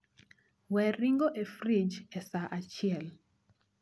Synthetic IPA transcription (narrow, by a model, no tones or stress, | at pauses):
wɛɾiŋɡoʔefɾid͡ʒesaʔat͡ʃiɛl